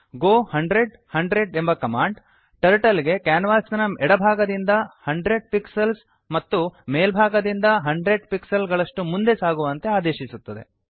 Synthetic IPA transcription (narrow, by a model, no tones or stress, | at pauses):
ɡoːhɐɳɖɾe̞ɖ | hɐɳɖɾe̞ɖembɐkɐmaːɳɖ | ʈɐɾʈɐliɡe̞kaːnʋaːsɐnɐɛɽɐbʱaːɡɐd̪ind̪ɐhɐɳɖɾe̞ɖ̚piksɐls | mɐt̪ːumeːlbʱaːɡɐd̪ind̪ɐɦɐɳɖɾe̞ɖpiksɐlɡɐɭɐʂʈumund̪e̞saːɡuʋɐnt̪e̞aːd̪eːʃisut̪ːɐd̪e̞̰